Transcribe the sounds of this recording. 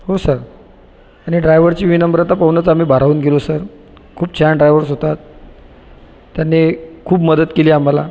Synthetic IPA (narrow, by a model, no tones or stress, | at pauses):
hosəɾ | aɽ̃iɖɾajʋəɾt͡ɕiːʋinəmbəɾat̪apəʋnət͡sam̤iːbʱaɾauːnɡʱelosəɾ | kʰuːbt͡ɕʰaɳɖɾajʋəɾsɦot̪at̪ | janːekʰuːbməd̪ət̪keliːam̤ala